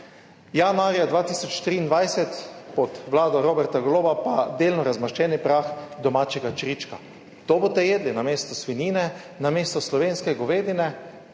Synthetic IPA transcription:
janaːɾjad̪ʋaːt̪iːsɔt͡ʃt̪ɾiːnd̪ʋajsɛt̪pɔt̪ʋlaːd̪ɔɾoːbɛɾt̪aɡloːbapad̪eːlnɔɾazmaʃt͡ʃɛːnipɾaxd̪ɔmaːt͡ʃɛɡat͡ʃɾit͡ʃka | t̪obot̪ɛjeːd̪linameːst̪ɔsʋiniːnɛ | nameːst̪ɔslɔʋeːnskɛɡɔʋeːd̪inɛ

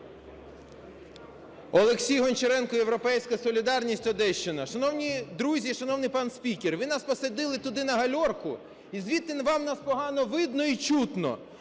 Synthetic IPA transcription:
ɔlˠeksʲijɦɔnt͡ʃeɾɛnkɔjewɾɔpɛjsʲkɐsɔlʲid̪ɑrnʲisʲtʲɔd̪ɛʃt͡ʃenɐʃɐnɔwnʲid̪ɾuzʲiʃɐnɔwnɪjpɑnsʲpʲikʲerʋɪnɑspɔsɐd̪ɪlˠɪt̪ʊd̪ɪnɐɦɐlʲɔrkʊ | izʋʲit̪ɪnʋɑmnɑspɔɦɑnɔʋɪd̪nɔit͡ʃut̪nɔ̰

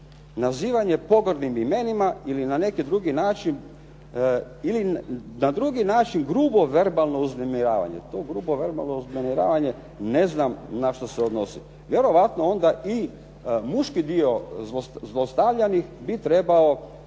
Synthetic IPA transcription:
naziːʋaɲe̞po̞ɡod̪nimime̞nimailinane̞kid̪ɾuɡinaːt͡ʃin | ilinad̪ɾuːɡinaːt͡ʃinɡɾuːbo̞ʋe̞ɾbalˠno̞uznemiɾaːʋa̰ɲḛt̪oːɡɾuːboʋe̞ɾba̰lˠnouznemiɾa̰ːʋaɲe | neznamnaʃt̪oseod̪no̞si | ʋje̞ɾo̞ʋat̪noo̞nd̪aʔi | muʃkid̪io̞zzlˠost̪aʋʎanixbit̪ɾe̞bao

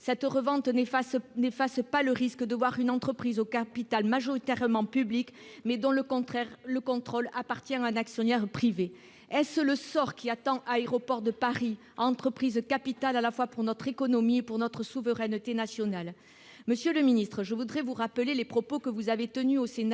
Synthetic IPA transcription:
sɛt̪ʁəvɑ̃t̪nefaspaləʁiskəd̪əvwaʁynɑ̃t̪χəpχizokapit̪almaʒɔʁit̪ɛʁəmɑ̃pyblikmɛd̪ɔ̃ləkɔ̃ɛʁləkɔ̃t̪χɔlapaʁt̪jɛ̃aɛ̃naksjɔnɛʁpχive | ɛsləsɔʁkʲiat̪ɑ̃ʔaeʁɔpɔʁd̪əpaʁi | ɑ̃t̪χəpχizkapit̪alalafwapuʁnɔt̪χekɔnɔmiepuʁnɔt̪χəsuvəʁɛnət̪enasjɔnal | məsjøləminist̪χəʒəvud̪ʁɛvuʁapəlelepχɔpokəvuzavet̪ənyosen

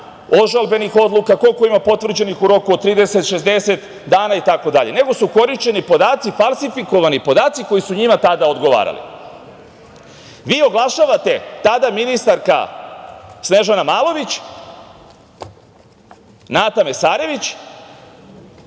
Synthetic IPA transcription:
o̞ʒalbe̞nixo̞d̪lˠukako̞lko̞imapo̞t̪ʋr̩d͡ʑe̞nixuɾo̞kuot̪ɾiːd̪e̞se̞t̪ʃe̞zd̪e̞se̞t̪ | d̪aːnait̪ako̞d̪aʎe̞ne̞ɡo̞suko̞ɾiʃt͡ɕe̞nipo̞d̪aːt̪sifalˠsifiko̞ʋanipo̞d̪aːt̪siko̞jisuɲimat̪ad̪aod̪ɡo̞ʋa̰ːɾa̰lḭ | ʋiːo̞ɡlˠaʃaʋat̪e̞t̪ad̪aminist̪aɾka̰ | sne̞ʒanamaːlˠo̞ʋit͡ɕ | naːt̪ame̞saːɾe̞ʋit͡ɕ

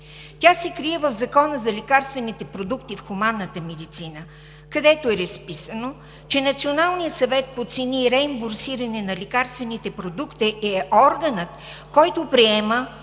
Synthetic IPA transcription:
t̪ʲasɛkɾiɛvəvzɐkɔnəzɐlʲikaɾst̪vɛnit̪ɛpɾod̪ukt̪ifxʊmanːət̪əmɛd̪it̪sinə | kɐd̪ɛt̪oɛɾɐspisəno | t͡ʃɛnɐt̪sionalˠnijəsɐvɛt̪̚pot̪sɛniːɾɛimboɾsiɾɐnɛnɐlikaɾst̪vɛnit̪ɛpɾod̪ukt̪iʔɛɔɾɡənət̪ | kɔjt̪opɾiɛmə

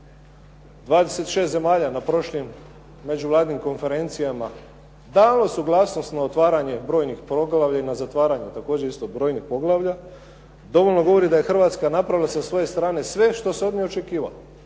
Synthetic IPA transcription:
d̪ʋaːd̪ese̞t̪ʃe̞st̪zemaːʎanapɾo̞ʃlimː | e̞d͡ʑuʋlˠaːd̪inimko̞nfe̞ɾe̞nt̪sijama | d̪aːlˠosuɡlˠaːsno̞st̪naot̪ʋaːɾaɲe̞bɾo̞ːjnixpɾo̞ɡlˠaʋʎʲainazat̪ʋaːɾaɲe̞t̪ako̞ːd͡ʑeɾist̪oɡbɾo̞ːjnixpo̞ɡlˠaʋʎa | d̪o̞ʋo̞ʎno̞ɡo̞ʋo̞ɾid̪aje̞xr̩ʋaːt̪skanapɾaʋilˠasasʋo̞je̞st̪ɾaːne̞sʋe̞ʃt̪o̞seo̞d̪miot͡ʃe̞kiːʋa̰lo

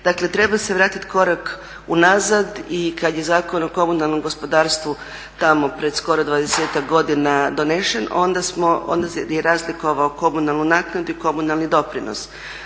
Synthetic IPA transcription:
d̪akle̞t̪ɾe̞baseʋɾaːt̪it̪ko̞ɾak | unazad̪ikad̪je̞zaːko̞noko̞munalˠno̞mɡo̞spo̞d̪aːɾst̪ʋu | t̪amo̞pɾe̞d̪sko̞ɾod̪ʋaːd̪eseːt̪akɡo̞d̪inad̪o̞neʃeno̞̰nd̪asmoo̰nd̪ajeɾazliko̞ʋaoko̞munalˠnunaːknad̪uiko̞munalˠnid̪o̞pɾino̰s

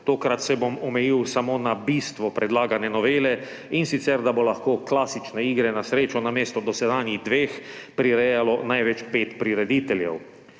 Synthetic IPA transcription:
t̪oːkɾat̪sɛbomɔmɛjiwsamoːnabist̪ʋɔpɾɛd̪laːɡanɛnɔʋeːlɛ | insit̪sɛɾd̪abolaxkoːklaːsit͡ʃnɛiːɡɾɛnasɾeːt͡ʃɔnameːst̪ɔd̪ɔsɛd̪aːnid̪ʋeːxpɾiɾɛjalɔnajʋɛt͡ʃpeːt̪pɾiɾɛd̪iːt̪ɛljɛ̰w

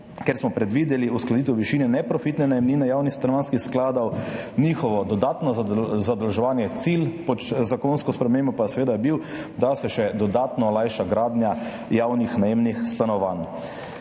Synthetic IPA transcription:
keɾsmɔpɾɛd̪ʋiːd̪jɛliusklad̪it̪ɛwʋiʃiːnɛnɛpɾɔfit̪nɛnajɛmniːnɛjawnixst̪anɔʋaːnskixsklaːd̪awniːxɔʋɔd̪ɔd̪aːt̪nɔzad̪ɐlʒɛʋaːnjɛt̪silpɔt͡ʃzakonskɔspɾɛmeːmbɔpasɛʋeːd̪ajɛbiw | d̪asɛʃɛd̪ɔd̪aːt̪nɔlajʃaɡɾaːd̪nja | jawnixnajemnixst̪anɔʋan

